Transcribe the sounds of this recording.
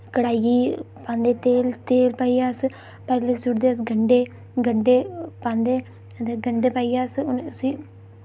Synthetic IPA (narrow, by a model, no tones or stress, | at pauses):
kɐɽaːji | pand̪et̪eːlt̪eːlpɐjaːsɨ | pɐɾlesuɾd̪as̬ɡɐɳɖe | ɡɐɳɖepand̪e | ɐnd̪eɡɐɳɖepɐjaːsɨunsi